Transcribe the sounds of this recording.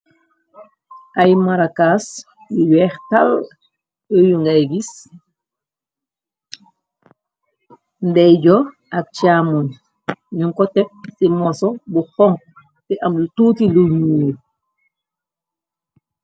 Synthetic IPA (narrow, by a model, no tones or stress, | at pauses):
ʔajmaɾakas | jujwɛːxtal | əjuŋɡajɡis | ndɛjɟɔ | ʔak̚t͡ʃamun | ɲuŋkɔtɛp̚simɔsɔbuxɔŋ | tɛʔamlutuːtiluɲu